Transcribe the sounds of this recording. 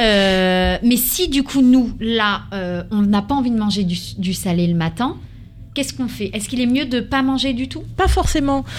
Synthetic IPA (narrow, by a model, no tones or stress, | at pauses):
ø | mɛsid̪ykʰunulaøɔ̃napaɑ̃vid̪əmɑ̃ʒed̪yd̪ysalɛləmat̪ɛ̃ | kʲɛskɔ̃fɛʔɛskilɛmjød̪əpamɑ̃ʒed̪yt̪upafɔʁsemɑ̃